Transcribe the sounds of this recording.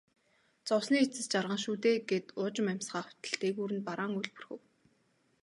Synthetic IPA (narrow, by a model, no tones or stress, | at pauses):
t͡sɔwsniːet͡sɘ̆st͡ɕarʁə̆ŋʃuːt̪eːɡet̪ʊːt͡ɕɪ̆mæm̥ʲsɢaːχʊ̥t̪ə̆ɬt̪eːɣuːɾɘ̆npaɾaːŋujɮpɵ̥̆rxɘ̆w